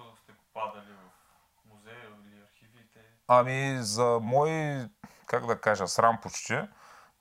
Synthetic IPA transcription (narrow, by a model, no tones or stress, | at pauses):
st̪ɛpʊpad̪ɐlivɐf | muzɛ | ɐɾxivit̪ɛ | ɐmizɐmɔjkaɡd̪ɐkaʒɐsɾampot͡ʃt̪ɛ